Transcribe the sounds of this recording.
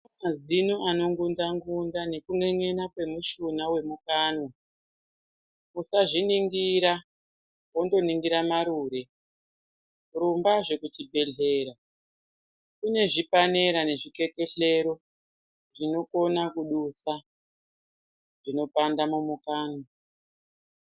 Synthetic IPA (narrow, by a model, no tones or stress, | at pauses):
mazinuʔano̞ŋɡundaŋɡundane̞kuŋeɲe̞nakwe̞muʃunawe̞mukaːno | usaʐiniŋɡiɾa | wo̞ndo̞niŋɡiɾamaɾuɾe̞ | rumbaʐe̞kutibʱe̞ɮe̞ːɾa | kune̞ʐipane̞ɾane̞ʐike̞ke̞ɬe̞ɾo̞ | ʐino̞ko̞nakuɗusa | ʐ̥ino̞pandamumukaːno